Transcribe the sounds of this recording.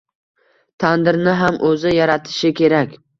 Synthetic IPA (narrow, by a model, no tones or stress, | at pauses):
t̪ʰand̪ɪɾnɪɦamʔɵzɪjaɾat̪ʰɪ̥ʃɪkʲʰe̞ɾakʲ